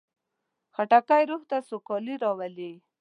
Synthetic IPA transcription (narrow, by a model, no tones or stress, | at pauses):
xaʈakajɾuht̪asokɔliɾɑwali